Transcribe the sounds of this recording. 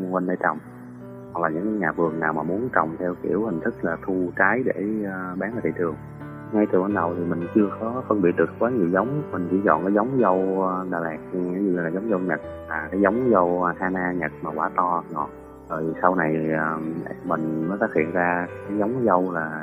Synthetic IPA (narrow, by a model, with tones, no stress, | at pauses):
kwə˧nɗə˧jt͡ɕɔ̰˨wŋ͡m | ha˨˩k̚laː˨˩ɲɨ̰˧˥ŋkaː˨˦jɲaː˨˩vɨ˨˩əŋnaː˨˩wmaː˨˩mu˨˦ənt͡ɕɔ̰˨˩wŋ͡mt̪ʰɛ˧wkḭ˧˩əwhï˨˩ŋ̟t̪ʰɨ˦˥k̚laː˨˩t̪ʰu˧t͡ɕaː˨˦jɗe˧˩˧ɓaː˨˦naː˨˧˩t̪ḭ˧˨t͡ɕɨ˨˩əŋ | ŋa˧jt̪ɨ˨˩wə˧˩nɗə˨˩wt̪ʰi˨˩mï˨˩ŋ̟t͡ɕɨ˧əkɔ˨˦fə˧nɓḭ˨˧˨ət̚ɗɨ˨˩ə˩kwaː˨˦ŋḭ˨zə˨˦wŋ͡mmï˨˩ŋ̟t͡ɕḭ˧˩zɔ̰˧˨nkaː˨˦jzə˨˦wŋ͡mzə˧wɗaː˨˩laː˨˩k̚ɲ˧a˨˦zɨ̰˧˩laː˨˩zə˨˦wŋ͡mzə˧wɲə˨˩t̚laː˨˩kaː˨˦jzə˨˦wŋ͡mzə˧whaː˧naː˧ɲə˨˩t̚maː˨˩kwaː˧˩˦t̪ɔ˧ɲɔ˨˩ | zo˨˩jsa˧wna˨˩jəː˨˩˧mï˨˩ŋ̟nɔ˨˦ɗaː˧˦˥hḭ˧˨ənzaː˧kaː˨˦jzə˨˦wŋ͡mzə˧wlaː˨˩